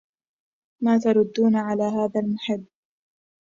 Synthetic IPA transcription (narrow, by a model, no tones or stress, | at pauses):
maːt̪ɑɾˤʊd̪ːuːnʕalaːɦaːðalmʊħɪbː